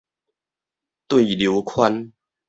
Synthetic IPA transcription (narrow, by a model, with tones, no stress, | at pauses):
t̪wi˥˨lju˨˧˦kʰwa˦n